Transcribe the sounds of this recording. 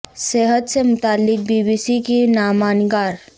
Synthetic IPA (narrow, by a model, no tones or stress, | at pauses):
seːɦət̪semʊt̪aːlːɪk̚biːbiːsikinaːmaːnɡaːɾ